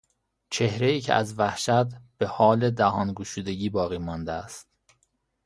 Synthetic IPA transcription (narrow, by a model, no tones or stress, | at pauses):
t͡ʃʰe̞hɾeiːcʰḛʔæ̰zvæhʃæt̪b̥e̞hɒːled̪æhɒːnɡuʃuːd̪e̞ɟiːbɒːɣiːmɒːnd̪eæst̪